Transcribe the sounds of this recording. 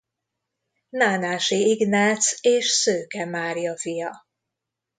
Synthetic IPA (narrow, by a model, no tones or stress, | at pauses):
naːnaːʃiiɡnaːt̪seːʃsøːkɛmaːɾijɒfijɒ